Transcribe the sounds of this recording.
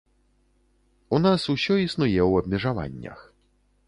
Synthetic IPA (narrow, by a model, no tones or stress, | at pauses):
unasusʲɔisnujɛwɐbmʲɛʐava̰nʲːɐ̰x